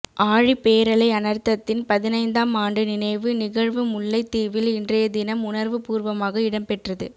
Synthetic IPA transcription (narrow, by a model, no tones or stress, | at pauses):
ʔaːɻipeːɾɐlɐɪɐnɐɾt̪ːɐt̪ːɪnpɐðɪnɐɪnd̪aːmaːɳɖɯnɪnɐɪʋɯnɪɣɐɻʋɯmʊɭːɐɪt̪ːiːʋɪlɪndrɐjɐd̪ɪnɐmʊnɐɾʋɯpuːɾʋɐmaːɣɐɪɽɐmpɛʈrɐðɯ̰